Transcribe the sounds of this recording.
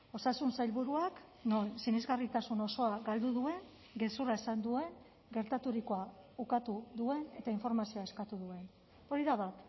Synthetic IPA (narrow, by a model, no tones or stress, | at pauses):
o̞sasunsajlβuɾuak | nonsinezɣarit̪asuno̞so̞aɡald̪uðue̞ŋ | ɡe̞suɾaesand̪ue̞ŋ | ɡe̞ɾt̪at̪uɾikoaukat̪uðue̞ne̞t̪aiɱfo̞ɾmasio̞ae̞skat̪uðue̞n | o̞ɾiðaβat̪